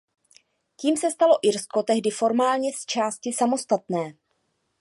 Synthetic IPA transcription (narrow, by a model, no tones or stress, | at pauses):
ciːmsɛst̪alo̞ʔɪɾsko̞t̪ɛɦdɪfo̞ɾmaːlɲɛst͡ʃaːscɪsamo̞st̪at̪nɛː